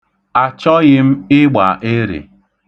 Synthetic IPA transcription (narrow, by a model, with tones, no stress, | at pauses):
a˨t͡ʃɔ˦ɣɪ˦m̩˦ɪ˦ɡ͡ba̰˨ʔe˦ɾḛ˨